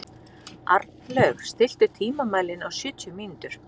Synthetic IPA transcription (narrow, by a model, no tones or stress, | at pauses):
a̰ɾt̪nlœːɣst̪ɪl̥t̪ɪ̥t̪ʰiːmamaːjlɪnawsʏːt̪ʰjʏmint̪ʏɾ̥